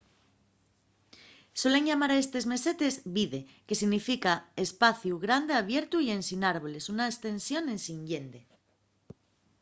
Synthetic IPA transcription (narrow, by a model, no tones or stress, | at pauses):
so̞le̞ŋʝamaɾaest̪e̞zme̞set̪e̞zβiðe̞ke̞siɣnifikaespaθjuɣɾand̪eaβ̞je̞ɾt̪uie̞nsinaɾβo̞le̞sunaest̪ẽ̞nsjo̞nẽ̞nsiŋɲɟend̪e